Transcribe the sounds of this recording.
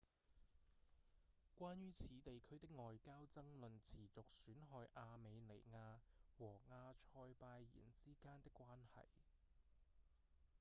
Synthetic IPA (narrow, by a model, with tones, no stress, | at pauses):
kʷaː˥njyː˥t͡sʰiː˨˧t̪e˨jkʰɵ˥ɥt̪ɪ˥k̚ŋɔː˨jkaː˥wt͡sɐ˥ŋlɵ˨nt͡sʰiː˨˩t͡sʊ˨k̚syː˨˥nɦɔː˧jʔaː˧me˨˧jle˨˩jŋaː˧wɔː˨˩ŋaː˧t͡ʃʰɔː˧jpaː˧jːḭː˨˩nt͡siː˥kaː˥nt̪ɪ˥kʷːwaː˥nhɐ̰˨j